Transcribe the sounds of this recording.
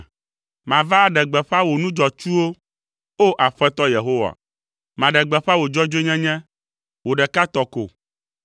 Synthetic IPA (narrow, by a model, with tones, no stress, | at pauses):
mã˨va˦ɖɛ˨ɡ͡bɛ˨ɸa˦wo˨nũ˦d͡ʒɔ˨t͡ʃu˦wo˦ | o˦ʔa˨ɸɛ˦t̪ɔ˦je˨ɦo˦wa̰˨ | mã˨ɖɛ˨ɡ͡bɛ˨ɸa˦wo˨d͡ʒɔ˦d͡ʒe˦ɲɛ̃˦ɲɛ̃˦ | wo˨ɖɛ˨ka˦t̪ɔ˨ko̰˨